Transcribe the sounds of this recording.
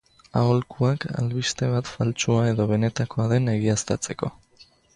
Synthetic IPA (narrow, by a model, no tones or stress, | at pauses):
aolkuaka̰lβist̪e̞β̞at̪falt͡ʃuae̞ðo̞β̞e̞ne̞t̪akoaðe̞ne̞ɣiast̪at͡se̞ko̞̰